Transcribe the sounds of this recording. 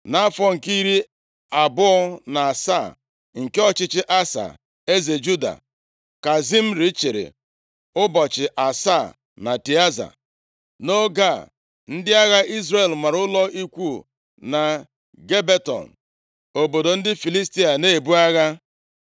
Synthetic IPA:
na˦fɔ˦ŋ̩˨ki˦ɾi˦ | a˨bʊ˦ɔ˦na˨a˨sa˦˨ | ŋ̩˨ke˦ɔ˦t͡ʃɪ˦t͡ʃɪ˦ʔa˦sa̰˨ | e˦ze˨d͡ʒu˦da̰˨ | ka˨zi˦m̩˦ɾi˦t͡ʃe˨ɾḛ˨ | ʊ˦bɔ˨t͡ʃɪ˨ʔa˨sa˦˨ | na˨ti˨a˦za̰˨ | no˦ɡa˦˨ | n̩˦dɪ˦a˦ɣa˦ʔi˦zre˨lma˨ɾʊ˦lɔ˦i˦kʷu˦˨ | na˨ | ɡe˦be˦tɔ̰˨n̩˨ | o˨bo˨do˨n̩˦dɪ˦fi˨li˦sti˦a˨ne˦˨bu˦a˦ɣa˦

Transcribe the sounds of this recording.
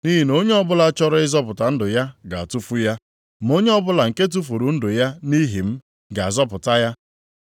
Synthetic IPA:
ni˦ɦi˨no˦ɲe˦ɔ˦bʊ˦la˨˦t͡ʃɔ˦ɾɔ˦ɪ˦zɔ˦pʊ˨ta˨n̩˦dʊ˨ja˦ɡa˨a˨tu˦fu˦ja˦ | m̩˦o˦ɲe˦ɔ˦bʊ˦la˨ŋ̩˨ke˦t̬u˦fu˨ɾu˨n̩˦dʊ˨ja˦ni˦ɦi˨m̩˦ | ɡa˨a˨zɔ˦pʊ˨ta˦ja˦

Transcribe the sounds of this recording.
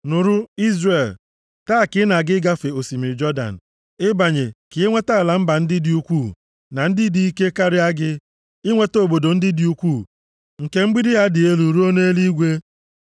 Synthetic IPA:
nʊ˨ɾʊ˦i˦zre˨l | taː˦˨kɪ˦na˨ɡɪ˦ɡa˦fe˨o˨si˨mɪ˨d͡ʒɔ˦da̰˨n̩˨ | ɪ˦ba˨ɲe˨kɪ˨e˦ŋʷe˦ta˦˨la˨m̩˦ba˨n̩˦dɪ˦dɪ˦u˦kʷuː˦˨ | na˨n̩˦dɪ˦di˦i˦ke˦ka˦ɾɪ˦a˦ɡɪ˦ | ɪ˦ŋʷe˦to˦˨bo˨do˨n̩˦dɪ˦di˦u˦kʷu˦˨ | ŋ̩˨ke˦m̩˦ɡ͡bi˦dɪ˦ɦa˦dɪ˨e˦lu˨ɾu˦o˦ne˦li˦ɡʷe˦

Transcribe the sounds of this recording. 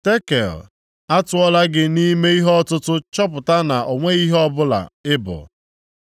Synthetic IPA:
te˦kḛ˨l | a˦tʊ˦ɔ˦la˦ɡɪ˦ni˦me˦i˦ɦɔ˦tʊ˦tʊ˦t͡ʃɔ˦pʊ˨ta˦na˨ʔo˨ŋʷe˦i˦ɦɔ˦bʊ˦la̰˨ɪ˦bʊ̰˨

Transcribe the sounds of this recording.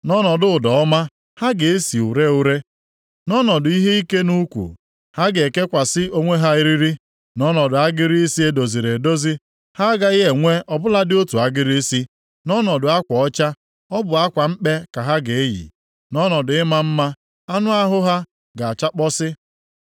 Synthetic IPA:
nɔ˦nɔ˨dʊ˨ʊ˨dɔ˨ɔ˦ma˦ | ha˦ɡe˨e˦si˨u˨ɾe˦u˦ɾe˦ | nɔ˦nɔ˨dʊ˨i˦ɦe˦i˦ke˦nu˦kʷṵ˨ | ha˦ɡe˨e˨ke˦kʷa˨sɪ˦o˦ŋʷe˦ɦa˦i˦ɾi˦ɾi˦ | nɔ˦nɔ˨dʊ˨a˦ɡɪ˦ɾi˦e˦si˦e˦do˨zi˨ɾe˨do˦zi˦ | ha˦ɡa˨ɪ˦e˨ŋʷe˦ɔ˨bʊ˦la˦dɪ˦o˦tu˨a˦ɡɪ˦ɾi˦si˦ | nɔ˦nɔ˨dʊ˨a˦kʷɔ˨ɔ˦t͡ʃa˦ | ɔ˦bʊ˨a˦kʷa˨m̩˦k͡pe˦ka˨ɦa˦ɡe˨e˦jḭ˨ | nɔ˦nɔ˨dʊ˨˦ɪ˦ma˦m̩˦ma˦ | a˦nʊ˦a˦ɦʊ˦ɦa˦ | ɡa˨a˨t͡ʃa˦k͡pɔ˦sɪ˦

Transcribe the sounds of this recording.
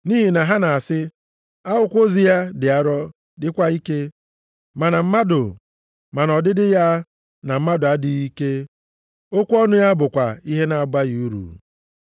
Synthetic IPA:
ni˦ɦi˨na˨ɦa˦na˨a˨sɪ˦ | a˦ʊ˦kʷo˦zi˨ja˦dɪ˨a˦ɾɔ˦ | dɪ˦kʷa˦i˦ke˦ | ma˨na˨m̩˦ma˦dʊ˨ | ma˨nɔ˨dɪ˦dɪ˦ja˦ | na˨m̩˦ma˦dʊ˨a˦di˦i˦ke˦ | o˦kʷu˦ɔ˦nʊ˦ja˦bʊ˨kʷa˨i˦ɦe˦na˨ɡ͡ba˦ji˨u˦ɾṵ˨

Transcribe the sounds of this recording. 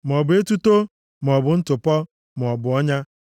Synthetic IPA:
m˨ɔ˨bʊ˨e˦tu˦to˦ | m˨ɔ˨bʊ˨n̩˦tʊ˨pɔ˦ | m˨ɔ˨bʊ˨ɔ˦ɲa˦

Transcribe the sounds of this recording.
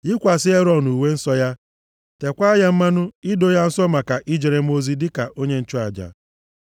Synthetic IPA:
ɪ˦kʷa˨sɪ˦e˦ɾɔ˨nu˨we˦n̩˦sɔ˦ja˦ | te˨kʷa˦ja˦m̩˦ma˦nʊ˦ɪ˦do˦ja˦n̩˦sɔ˦ma˨ka˨ʔi˦d͡ʒe˨ɾe˨m̩˦o˦zi˦dɪ˦ka˨ʔo˦ɲe˦n̩˦t͡ʃɔ˦a˨d͡ʒa̰˨

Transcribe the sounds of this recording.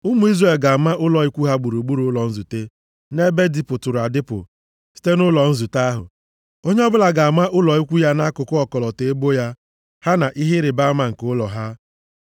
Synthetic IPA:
ʊ˦mu˨˦i˦zre˨lɡa˨a˨ma˦ʔʊ˦lɔ˨i˦kʷu˦ɦa˦ɡ͡bu˨ɾu˨ɡ͡bu˦ɾu˨ʊ˦lɔ˨n̩˦zu˨te˦ | ne˦be˦di˨pʊ˨tʊ˨ɾa˨dɪ˦pʊ̰˨ | si̥˦te˦nʊ˦lɔ˨n̩˦zu˨ta˦ɦʊ̰˨ | o˦ɲe˦ɔ˦bʊ˦la˨ɡa˨a˨ma˦ʔʊ˦lɔ˨i˦kʷu˦ja˦na˦kʊ˨kʊ˦ɔ˨kɔ˨lɔ˨te˨e˦bo˦ja˦ | ha˦na˨ʔi˦ɦe˦ɾɪ˨ba˦ma˨ŋ̩˨kʊ˦lɔ˨ɦa˦

